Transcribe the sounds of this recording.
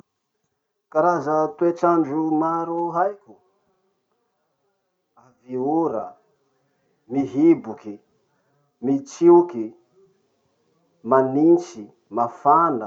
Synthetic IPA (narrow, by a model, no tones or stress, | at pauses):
kaɾazət̪ueʈ͡ʂaɳɖ͡ʐumaɾuɦajkʲu | aviuɾə | miɦibuki | mit͡siuki | manint͡ʃi | mafanə